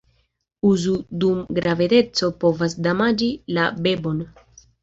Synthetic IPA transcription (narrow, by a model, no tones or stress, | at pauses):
uzudumɡɾavede̞t͡so̞po̞vasdamad͡ʒilabe̞bo̞n